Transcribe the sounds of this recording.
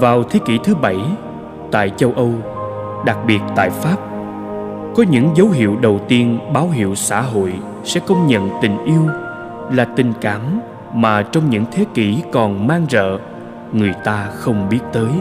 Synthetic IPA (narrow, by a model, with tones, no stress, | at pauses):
vaː˨˩wt̪ʰe˨˦ki˧˩t̪ʰɨ˨˦ɓə˧˩j | t̪a̰ː˧˨jt͡ɕə˧wʔə˧w | ɗa˨˩k̚ɓi˨˩ət̚t̪a̰ː˧˨jfaː˦˥p̚ | kɔ˨˦ɲɨ̰˧˥ŋzə˨˦wɦḭ˧˨əwɗə˨˩wt̪i˧ənɓaː˨˦wɦḭ˧˨əwsa̰ː˧˥ɦo̰˧˨j | sɛ̰˧˥kə˧wŋ͡mɲə̰˧˨nt̪ï˨˩ŋ̟ʔi˧əw | laː˨˩t̪ï˨˩ŋ̟kaː˧˩m | maː˨˩t͡ɕɔ˧wŋ͡mɲɨ̰˧˥ŋt̪ʰe˨˦ki˧˩kɔ˨˩nmaː˧ŋzə̰ː˧˨ | ŋɨ˨˩əjt̪aː˧xə˧wŋ͡mɓi˦˥ət̚t̪əː˨˦j